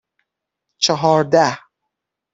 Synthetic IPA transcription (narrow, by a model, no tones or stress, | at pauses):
t͡ʃʰeɦɒːɾd̪æh